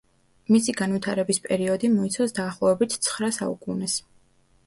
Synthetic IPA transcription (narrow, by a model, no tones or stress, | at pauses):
misiɡanvit̪ʰaɾɛbispʼɛɾiɔd̪imɔit̪sʰasd̪aːχlˠɔvɛbit̪ʰt̪sʰχɾasa̰ṵkʼunɛs